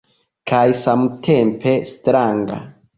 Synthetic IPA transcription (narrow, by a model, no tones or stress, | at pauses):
kʰajsamutʰempʰestɾaŋɡa̰